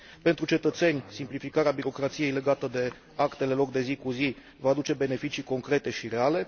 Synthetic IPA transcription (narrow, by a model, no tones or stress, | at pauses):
pe̞nt̪ɾut͡ʃe̞t̪ət̪se̞nʲsimplifikaɾeabiɾo̞kɾat̪sije̞jle̞ɡat̪əd̪e̞ | akt̪e̞le̞lo̞k̚d̪e̞zikuzi | vaːd̪ut͡ʃe̞be̞ne̞fit͡ʃiko̞ŋkɾe̞t̪e̞ʃiɾe̞ale̞